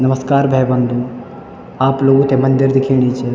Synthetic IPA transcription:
nɐməskaːɾbʱɛːbə̃nd̪ũ | aːploːɡũt̪emɐ̃nd̪ɪɾd̪ɪkʰeːɽ̃it͡ʃʰe

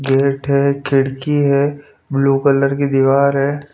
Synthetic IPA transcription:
ɡeːʈɦɛkʰɪɽkiɦɛː | bluːkələɾkid̪iʋaːɾɦɛː

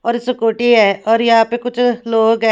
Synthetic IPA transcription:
ɔːɾɪskoːʈiːɦɛːʔɔːɾjɪɦaːpeːkʊt͡ʃʰloːɡɛː

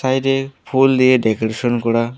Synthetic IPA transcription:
sajdepʰuld̪ieɖɛkoɾeʃɔnkɔɾa

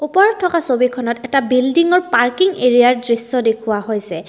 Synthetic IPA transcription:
upɔɹɔtʰːɔkasobikʰɔnɔtɛtabildiŋɔɹpaɹkiŋeɹijaɹdɹisːɔdekʰʊwaɦojsɛ

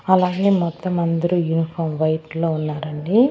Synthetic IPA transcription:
ɐlaːɡe̞ːmɔt̪ːɐmɐnd̪ɐɾujunipʰɐːɾmʋɐjʈlo̞ːunːaːɾɐɳɖi

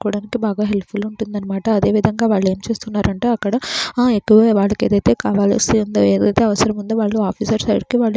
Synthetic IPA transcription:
kuːɽaːnikibʱaːɡaɦe̞lpʰulːuɳʈund̪ɐnːɐmaːʈɐːd̪e̞ːʋid̪ʱɐŋɡaːʋaːɭːeːmt͡ʃe̞ːst̪unːaːɾɐɳʈeːɐkːɐɽɐekːuʋɐʋaːɭːɐkeːd̪ɐjt̪e̞ːkaːʋaːlɐ̰siɐnd̪ueːd̪ɐjt̪eɐʋɐsɐɾɐmund̪uʋaːɭːuaːpʰiːsɐɾsɐ̰jɽkiʋaːɭː

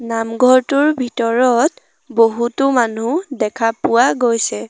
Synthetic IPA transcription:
namɡʱɔɹtʊɹbʱitɔɹɔt | boɦutʊmanudɛkʰapʊwaɡojsɛ

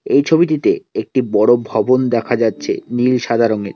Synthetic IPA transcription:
ejt͡ɕʰobit̪it̪eek̚ʈibɔɽobʱɔbond̪ɛkʰad͡ʑatːɕʰḛnilʃad̪ʱaɾoŋeɾ

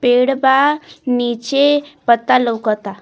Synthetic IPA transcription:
peɽbanit͡ɕepət̪ːaləwkət̪a

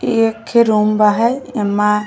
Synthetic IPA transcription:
ekʰːeɾumbaɦajema

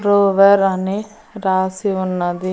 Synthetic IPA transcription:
ɾoːʋeɾɐni | ɾaːsiunːɐd̪i

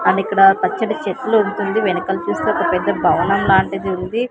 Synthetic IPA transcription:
ɐɳɖikːɐɽɐpɐt͡ʃːɐʈɐt͡ʃet̪ːluːɳʈund̪iʋenɐkɐlt͡ʃuːst̪uɔkɐpɛd̪ːɐbʱɐʋɐnɐmlaːɳʈɐd̪iund̪i

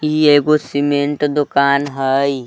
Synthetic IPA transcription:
ieːɡosimeɳʈd̪ʊkaːnɦəj

